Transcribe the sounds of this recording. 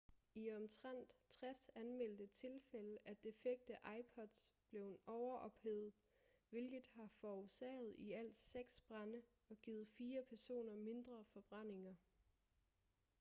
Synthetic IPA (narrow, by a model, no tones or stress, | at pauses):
iɒ̽mt͡sʰʁan̰d̥t͡sʰʁasænmel̰d̥ət͡sʰe̝lfeləʔæd̥e̝feɡ̥̚d̥əʔɑ̈ɪpʰɒ̽d̥sb̥le̝ʊenɒʊɐʔɒ̽b̥heð̩ˠ | ʋe̝lɡ̥ð̩ˠhɑ̈fɒosɛ̰ːð̞̩ˠiæl̰d̥seɡ̥sb̥ʁanə | ɒ̽ɡ̥iːð̩ˠfiːɐpʰæɐso̝̰ːnɐme̝nd̥ʁɐfɒ̽b̥ʁan̰e̝ŋɐ